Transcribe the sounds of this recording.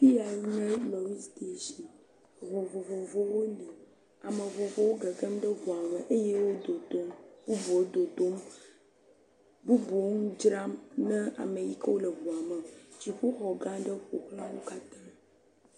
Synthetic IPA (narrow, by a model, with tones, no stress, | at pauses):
fi˦ja˨˦nə̃˦lɔ˨wi˦st̪e˦ʃi˨ | vo˨vo˨vo˨vo˦˨wo˦li˨ | a˨mə˨vo˨vo˨wo˦ɡə˨ɡə˦mɖə˦vu˨a˨mə˨ʔe˦je˦wo˦d̪o˨d̪o˦mbu˦bu˨wo˦d̪o˨d̪o˦m | bu˦bu˨o˦ŋũ˦d͡ʒɾa˦mnɛ̃˦a̰˨mə˨ji˦kə˦wo˦lə˨vu˨a˨mə˨d͡ʒi˨ɸu˦xɔ˨ɡã˦ɖə˦ɸo˨klã˦wo˦ka˦t̪ã˦